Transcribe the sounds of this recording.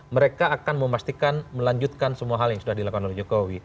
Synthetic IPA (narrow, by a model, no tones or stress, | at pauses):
məɾekaːkanməmast̪ikanməlaɲd͡ʒut̪̚kansəmuaɦaljaŋsudahdilakukanɔlid͡ʒokowi